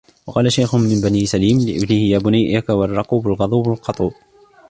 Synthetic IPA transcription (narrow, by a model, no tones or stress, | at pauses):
wɑqɑːlaʃajxʊnmɪmbaniːsaliːmlɪʔɪ̰bnɪhɪjaːbʊnajʔakawɑrˤːɑquːbalɣɑðˤuːbalqɑt̪ˤuː